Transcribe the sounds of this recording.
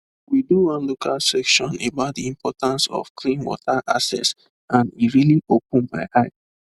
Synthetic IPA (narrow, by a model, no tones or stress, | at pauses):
widuãnlukʰalsɛkʃɔ̃nebaʊt̚diĩmpʰɔtãnsɔ̰fkʰlĩnwɔ̰tʰaʔasɛ̰s | ãniɹiliʔop̚nbaɪʔaɪ